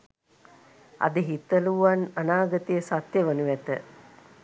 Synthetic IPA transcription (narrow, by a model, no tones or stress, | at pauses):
a̰d̪əɦit̪əluʋananaːɡət̪ijəsat̪jəʋənuʋæt̪ə